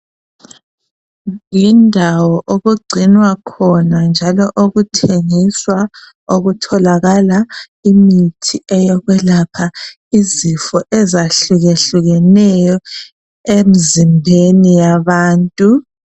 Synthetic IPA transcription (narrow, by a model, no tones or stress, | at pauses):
jindʱawɔʔoɣuɡ͡ǀʱinwakʰɔnand͡ʒʱalɔʔoɣutʰeŋiswa | oɣutʰɔlaɣala | imitʰiʔɛjɔɣwɛlapʰa | izifɔʔɛzaɬuɣeɬuɣɛnɛjɔ | emizimbʱenijaβaːntʼu